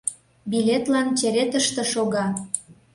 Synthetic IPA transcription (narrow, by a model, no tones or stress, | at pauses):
bilʲet̪lɑnt͡ɕĕɾet̪əʃt̪ĕʃoɣɑ